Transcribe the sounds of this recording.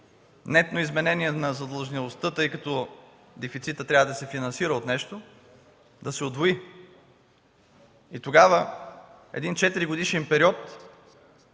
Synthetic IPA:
nɛt̪noizmɛnɛniɛnɐzɐd̪ɐlˠʒnilˠost̪ɤt̪ɤjkɐt̪ɔ | d̪ɛfit̪sit̪ət̪ːɾʲavəd̪ɐsɛfinɐnsiɾəot̪nɛʃt̪o | d̪ɐsɛod̪voi | it̪oɡavə | ɛ̰d̪int͡ʃɛt̪iɾiɡod̪iʃɛnpɛɾiɔt̪

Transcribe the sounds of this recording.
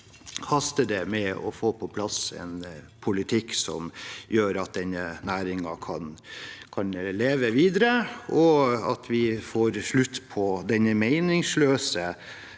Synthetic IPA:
hɑst̪əd̪ɛmɛɔ̰foːpʰɔpʰlɑsɛ̰n | pʰʊlɪt̪ʰɪkːsɔ̰mjøːɾɑt̪̚d̪ɛnːənæːɾɪŋɑkʰɑnkʰɑnleːʋəʋiːd̪əɾəɔɑ̰t̪ʰʋɪfoːɾʂɭʉt̪ːpʰɔd̪ɛnəmæɪnɪŋsløːsə

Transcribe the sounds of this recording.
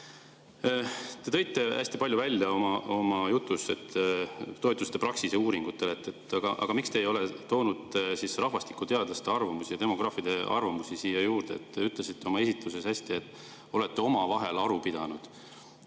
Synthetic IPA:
t̪e̞t̪ɤ̞jt̪ːˑe̞æ̰sʲt̪ipɑlʲjuvælʲjɑo̞mɑo̞mɑjut̪ːˑuse̞t̪ːt̪ːo̞et̪ːˑust̪e̞pɾrɑksiseuːɾiŋɡ̥ut̪ːˑe̞let̪ːˑe̞t̪ːɑɡ̥ɑʔɑ̰ɡ̥ɑmikst̪e̞ːjo̞le̞t̪o̞ːnud̪̥sisrɑhvɑst̪i̥kːˑut̪e̞ɑd̪̥lɑst̪eɑrvɑmusijɑt̪e̞mo̞ɡ̥rɑːfid̪̥e̞ɑrvɑmusisiːjɑjuːɾd̪̥eet̪ːeyt̪ˑlesit̪ːeo̞mɑe̞sit̪luse̞shæsʲt̪iet̪ːˑ | o̞le̞t̪ːeo̞mɑvɑɦe̞lɑɾupid̪̥ɑnud̪̥

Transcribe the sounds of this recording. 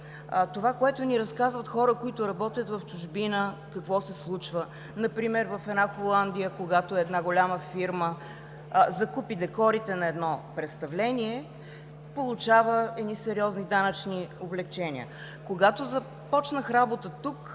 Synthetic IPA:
t̪ovakoɛt̪ʊniɾɐskazvət̪xɔɾəkoit̪ʊɾɐbɔt̪ʲjət̪vɐft͡ʃʊʒbinəkɐkvɔsɛslˠut͡ʃvə | nɐpɾimɛɾvɐfɛd̪naxolˠand̪ijəkoɡat̪oɛd̪naɡolʲaməfiɾmə | zɐkupid̪ɛkɔɾit̪ɛnɐɛd̪nɔpɾɛt̪st̪ɐvlɛniɛ | polˠut͡ʃavəɛd̪nisɛɾiɔznid̪anɐt͡ʃnioblɛkt͡ʃɛnḭə̰ | koɡat̪ozɐ | pɔt͡ʃnəxɾabot̪ət̪uk

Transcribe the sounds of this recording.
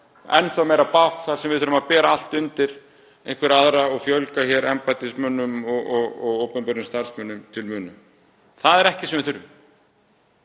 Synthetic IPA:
ɛ̰nːθawmeːjɾapawht̪θaɾ̥sɛmvɪðθʏɾʏmaðpɛːɾaal̥t̪ʏnt̪ɪɾ̥ | ejŋkvɪɾaðɾaɔɣfjœlkaçɛɾɛmpat̪ɪsmœnːʏmɔɣɔɣɔɣowpʏmpɛɾʏmst̪aɾ̥smœnːʏmt̪ʰɪlmʏːnʏm | θaðɛɾɛhcɪsɛmvɪðθʏɾʏm

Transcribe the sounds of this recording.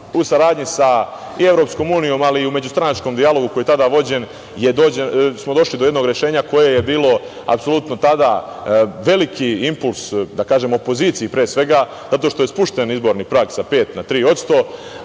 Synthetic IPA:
usaɾaːd̪ɲisa | ie̞ʋɾo̞psko̞ːmuːnijo̞ːmaliume̞d͡ʑust̪ɾanat͡ʃko̞md̪ialo̞ɡukojet̪ad̪aːʋo̞d͡ʑe̞n | jed̪o̞ːd͡ʑesmod̪o̞ʃlid̪ojed̪no̞ɡɾeʃe̞ːɲako̞je̞jebiːlo̞ | a̰pso̞lˠut̪no̞t̪ad̪a | ʋe̞likʰiimpulˠsd̪akaːʒe̞mo̞po̞ziːt̪sijipɾeːsʋe̞ɡa | z̥at̪o̞ʃt̪o̞je̞spuʃt̪enizbo̞ɾnipɾaːɡsape̞ːt̪nat̪ɾiːo̞t̪st̪o̞

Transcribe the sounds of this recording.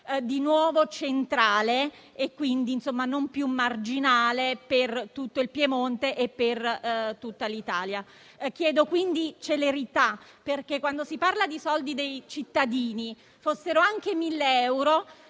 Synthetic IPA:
d̪inwɔːvot͡ʃent̪ɾaːle | ekːwind̪insomːanompjumːard͡ʒinaːlepert̪ut̪ːoilpjemont̪eʔepːert̪ut̪ːalit̪aːlja | k̟jɛːd̪okwind̪it͡ʃeleɾit̪aperk̟ekːwand̪osiparlad̪isɔld̪id̪ejt͡ʃit̪ːad̪iːni | fosːeɾoaŋk̟emilːeɛwɾo

